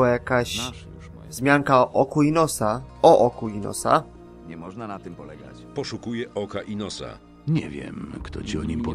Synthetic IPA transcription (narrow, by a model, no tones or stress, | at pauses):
ajakaɕ | zmʲjaŋkaʔɔkuinɔsaɔʔɔkuinɔ̰sa̰ | ɲɛmɔʐnanat̪ɘmpɔlɛɡa̰t͡ɕpɔʂukujɛʔɔkaʔinɔsa̰ | ɲɛvʲjɛ̰mkt̪ɔt͡ɕiɔɲimpɔ